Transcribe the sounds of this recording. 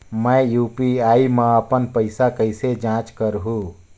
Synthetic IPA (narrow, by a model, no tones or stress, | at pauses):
məjjupiaiməəpənpəɪsakəɪsed͡ʒãt͡ʃkəɾɦũ